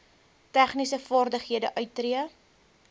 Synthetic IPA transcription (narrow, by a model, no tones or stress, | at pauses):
tæχnisəfɑrdəχɦiədəʔœɥtːriə